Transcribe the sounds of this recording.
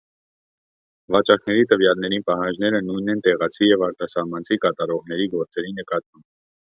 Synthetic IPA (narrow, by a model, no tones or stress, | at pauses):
vɑt͡ʃɑknɛɾit̪əvjɑlnɛɾipɑɦɑnd͡ʒnɛɾənujnɛnt̪ɛʁɑt͡sʰijɛvɑɾt̪ʰɑsɑhmɑnt͡sʰikɑt̪ɑɾɔʁnɛɾiɡɔɾt͡sɛɾinəkɑt̪̚mɑmb